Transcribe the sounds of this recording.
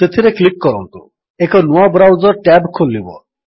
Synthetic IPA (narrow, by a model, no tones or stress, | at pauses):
et̪ʰiɾeklikːɔɾɔnt̪u | ekonuabɾawzɔɾʈɛbkʰolːibɔ̰